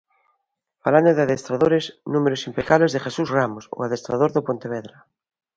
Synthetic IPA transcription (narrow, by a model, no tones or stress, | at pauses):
faland̪oðeaðest̪ɾaðoɾeznũmeɾosimpekaβlezðeχesuzramoso̰aðest̪ɾað̞oɾðopõnt̪eβ̞eðɾa